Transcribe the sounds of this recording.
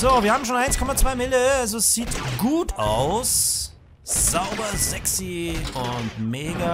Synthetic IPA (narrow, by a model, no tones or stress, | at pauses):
z̥oːviɐhaːbm̩ʃoːnʔaɪnskʰɔmat͡sv̥aɪmɪləalzoɛsz̥iːtɡ̥uːtʰaʊs | z̥aʊbɐzɛksiʊntmeːɡa